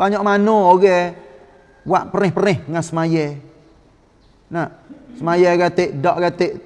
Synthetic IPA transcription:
baɲaʔmanooɡɛ | waʔpəɾɪhpəɾɪhŋasəmajɛ | nasəmajɛɡat̪eʔdɔʔɡat̪eʔ

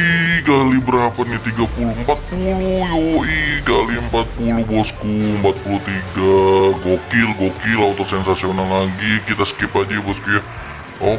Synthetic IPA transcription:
iɡalibəɾapanit̪iɡapuluəmpat̪̚pulujouiɡaliəmpat̪̚pulʊhbɔskuəmpat̪̚pulut̪iɡaɡokɪlɡokɪlaut̪ʊrsɛnsasionalaɡikit̪asə̥kipad͡ʒajbɔskuja | ɔ

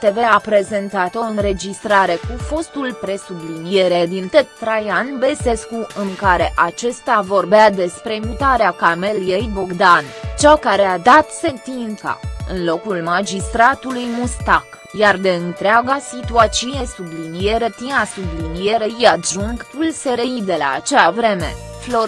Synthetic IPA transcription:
t̪e̞ve̞apɾe̞ze̞nt̪at̪o̞ɨnɾe̞d͡ʒist̪ɾaɾe̞kufo̞st̪ulpɾe̞sublinije̞ɾed̪int̪et̪t̪ɾajanbe̞se̞skuɨŋkaɾe̞ʔat͡ʃe̞st̪avo̞rbead̪e̞spɾe̞mut̪aɾeakame̞ljejboɡd̪ant͡ʃakaɾe̞ad̪at̪se̞nt̪ina̰ɨ̰nlo̞kulmad͡ʒist̪ɾat̪ulujmust̪ak | jard̪e̞ɨnt̪ɾeaɡasit̪uat͡ʃiune̞sublinije̞ɾet̪inasublinije̞ɾeijaʒuŋɡpulseɾe̞id̪e̞la̰ːt͡ʃeavɾe̞me̞̰ | flo

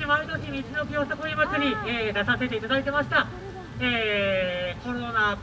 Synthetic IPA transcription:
imait̪okʲimʲit͡ɕino̞kʲjo̞ːsakoimat͡sɨɲ̟ieːd̪asase̞t̪e̞it̪ad̪ait̪e̞maɕi̥t̪a | eː | ko̞ɾona

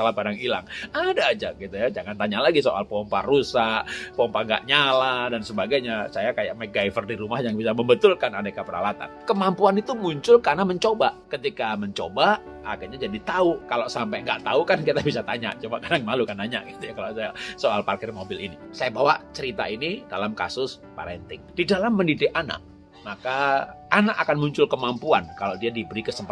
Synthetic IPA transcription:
alapadaŋila̰ŋadaːd͡ʒaɡit̪ujad͡ʒaŋant̪aɲalaɡisoʔa̰lpɔmparusaʔpɔmpaŋɡa̰ʔɲaladansəbaɡajɲasajakaja̰ʔmɛɡaifərdiɾumahjaŋbisaməmbət̪ʊlkanadakəpəɾa̰lat̪a̰nkəmampuanit̪umuɲt͡ʃʊlkarnaməɲt͡ʃobakət̪ikaməɲt͡ʃobaː | kirɲad͡ʒadit̪aukaloʔsampajŋɡaʔt̪aukankit̪abisat̪aɲa̰ʔt͡ʃumakadaŋmalukant̪aɲa̰ʔɡit̪ujakalasajasoalparkɪrmobɪlinisajabawaʔt͡ʃəɾit̪a̰inidalamka̰sʊs | pa̰ɾɛnt̪ɪŋd̥idalamːəndidɪkana̰ʔ̚ | makaʔanakakanmuɲt͡ʃʊlkəmampuankalodiadibəɾikəsəmpa

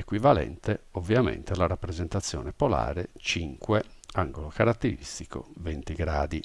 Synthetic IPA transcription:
ekwivalɛ̰nt̪eovːjamḛnt̪elaɾapːɾezent̪at̪sːjɔːnepola̰ːɾet͡ʃiŋkweaŋɡolokaɾat̪ːeɾḭst̪iko̰vent̪iɡɾaːd̪i

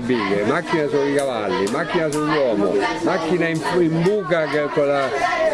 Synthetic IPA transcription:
biːɡemakːinasoikava̰lːimakːinasujwɔːmʊ̰makːinaiɱfimbuːkakekːola

